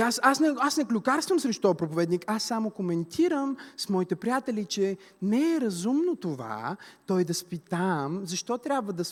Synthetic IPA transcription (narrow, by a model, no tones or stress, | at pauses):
asasnɛasnɛklʲukaɾst̪vəmsɾɛʃt̪ɔpɾopovɛd̪nikasːamokomɛnt̪ʰiɾəmsmɔit̪ɛpɾijat̪ɛlit͡ʃɛ | nɛɛɾɐzumnot̪ova̰t̪ɔjd̪ɐspit̪amzɐʃt̪ɔt̪ɾʲabvəd̪ɐs